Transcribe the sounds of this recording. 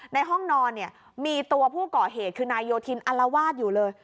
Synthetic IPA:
na˧jɦɔ˥˩ŋnɔː˧nːi˥˩ɐ | miː˧t̪u˧ɐpʰuː˥˩kɔː˨˩ɦeː˨˩t̪̚kʰɯː˧naː˧jːoː˧t̪ʰi˧nʔa˧la˧waː˥˩t̪̚juː˨˩lɤː˧j

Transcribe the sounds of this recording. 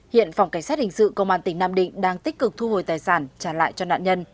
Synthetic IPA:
hḭ˧˨ənfa˨˩wŋ͡mka˧˩jŋ̟saː˦˥t̚hï˨˩ŋ̟sɨ̰˧˨kə˧wŋ͡mʔaː˧nt̪ï˧˩˦ŋnaː˧˨mɗḭ̈˧˨ŋ̟ɗaː˧ŋt̪i˦˥k̟̚kɨ˨˩k̚t̪ʰu˧ho˨˩jt̪aː˨˩jsaː˧˩nt͡ɕaː˧˩la̰ː˧˨jt͡ɕɔ˧na̰ː˧˨nɲə˧n

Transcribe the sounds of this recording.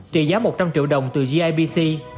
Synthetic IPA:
t͡ɕḭ˧˩zaː˨˦mo˨˩t̚t͡ɕa˧mt͡ɕḭ˧˨əwɗə˨˩wŋ͡mt̪ɨ˨˩zi˧ʔaː˧jɓi˧si˧

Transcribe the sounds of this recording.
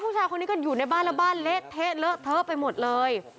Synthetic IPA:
pʰuː˥˩t͡ɕʰaː˧jko˧nːiː˦˥kɔ˥˩juː˨˩na˧jbaː˥˩nla˦˥˩baː˥˩nle˦˥ʔt̪ʰːe˦˥t̚lɤ˦˥ʔt̪ʰɤː˦˥pa˧jmo˨˩t̪̚lɤː˧j

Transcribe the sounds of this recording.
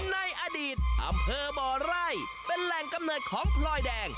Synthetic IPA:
na˧jʔaː˧diː˨˩t̪̚ʔa̰˧mpʰɤː˧bɔː˨˩ɾaː˥˩j | pe˧nlɛ˨˩ŋka˧mnɤː˨˩t̪̚kʰɔː˩˦ŋpʰlɔː˧˩jdɛː˧ŋ

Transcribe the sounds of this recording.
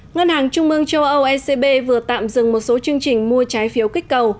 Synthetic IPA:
ŋə˧nhaː˨˩ŋt͡ɕʊ˧ŋ͡mmɨ˧əŋt͡ɕə˧wʔə˧wʔɛ˧se˧ɓe˧vɨ˨˩ət̪a̰ː˧˨mzɨ˨˩ŋmo˨˩t̚so˨˦t͡ɕɨ˧əŋt͡ɕï˨˩ŋ̟mu˧ət͡ɕaː˨˦jfi˨˦əwkï˦˥k̟̚kə˨˩w

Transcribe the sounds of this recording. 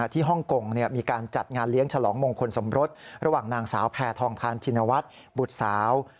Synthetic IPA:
t̪ʰiː˥˩ɦɔ˥˩ŋko˨˩ŋni˥˩ɐmiː˧kaː˧nt͡ɕa˨˩t̪̚ŋaː˧nli˦˥əŋt͡ɕʰa˧lɔː˩˦ŋmo˧ŋkʰo˧nso˩˦mɾo˦˥t̪̚ɾa˧waː˨˩ŋnaː˧ŋsaː˩˦wpʰɛː˧t̪ʰɔː˧ŋt̪ʰaː˦˥nt͡ɕʰi˧nːa˧wa˦˥t̪̚ | bu˨˩t̪̚saː˩˦w

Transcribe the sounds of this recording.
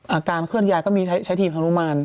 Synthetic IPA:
ʔaː˨˩kaː˧nkʰɯ˥˩ən̚jaː˧jkɔː˥˩miː˧t͡ɕʰa˦˥jt͡ɕʰa˦˥jt̪ʰiː˧˩mtʰa˧nu˧˥˨maː˧n

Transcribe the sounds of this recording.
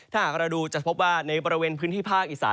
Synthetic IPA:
t̪ʰaː˥˩haː˨˩k̚ɾa˧duː˧t͡ɕa˨˩pʰo˦˥p̚waː˥˩na˧jbɔː˧ɾi˧weː˧npʰɯː˦˥nʰiː˥˩pʰaː˥˩k̚ʔiː˨˩sa̰ː˩˦

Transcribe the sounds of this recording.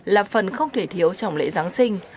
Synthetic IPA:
laː˨˩fə˨˩nxə˧wŋ͡mt̪ʰe˧˩t̪ʰi˨˦əwt͡ɕɔ˧˩wŋ͡mlḛ˧˥zaː˨˦ŋsï˧ŋ̟

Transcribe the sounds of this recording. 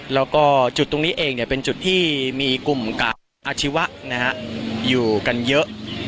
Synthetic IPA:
lɛː˦˥wkɔː˥˩t͡ɕt̪ːo˧ŋniː˦˥ʔeː˧ŋni˨˩ɐpe˧nt͡ɕu˨˩t̪ʰːiː˥˩miː˧ku˨˩mkaː˨˩ | ʔaː˧t͡ɕʰi˦˥wa˦˥ʔna˦˥kʰa˦˥ʔjuː˨˩ka˧njɤ˦˥ʔ

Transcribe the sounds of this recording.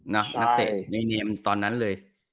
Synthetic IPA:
nɔ˦˥a˦˥t̪ḛ˨˩ni˧neː˧mt̪ɔː˧nːa˦˥nlɤː˧j

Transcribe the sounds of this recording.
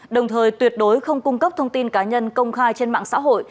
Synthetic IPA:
ɗə˨˩wŋ͡mt̪ʰəː˨˩jt̪wi˨˩ət̚ɗo˨˦jxə˧wŋ͡mkʊ˧ŋ͡mkə˦˥p̚t̪ʰə˧wŋ͡mt̪i˧nkaː˨˦ɲə˧nkə˧wŋ͡mxaː˧jt͡ɕe˧nma̰ː˧˨ŋsa̰ː˧˥ɦo̰˧˨j

